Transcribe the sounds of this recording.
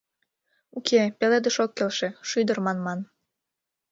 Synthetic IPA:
ukʰepeled̪əʃokːelʃe̽ʃyd̪ərmɑnmɑn

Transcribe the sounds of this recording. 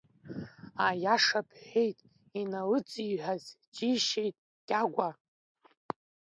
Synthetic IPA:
ajaʂapʰħʷejtʼ | inalɨt͡sʼiħʷᶣaz | d͡ʒiʃejtʼ | kʲʼaɡʷa

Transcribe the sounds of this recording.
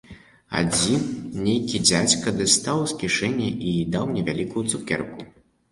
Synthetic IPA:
a̰d͡zʲinnʲejkʲid͡zʲat͡sʲkɐd̪ɨst̪awskʲiʂɛnʲːɛʔid̪awnʲɛvʲalʲikujut̪sukʲɛ̰rku

